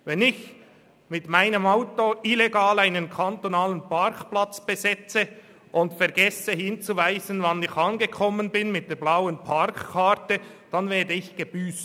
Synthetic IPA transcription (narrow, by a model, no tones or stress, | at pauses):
vɛnɪç | mɪtmaɪnəmaʊtoʔileɡaːlaɪnənkʰantonaːlənpʰaɾkplat͡sb̥əzɛt͡sə | ʔʊntfɛɾɡɛsəhɪnt͡suvaɪzənvɑnɪçɑnɡəkʰɔmənbɪnmɪt̚d̥eːblaʊənpʰaɾkkʰːatəd̥anvɛːɐdəɪçɡ̥əb̥yːst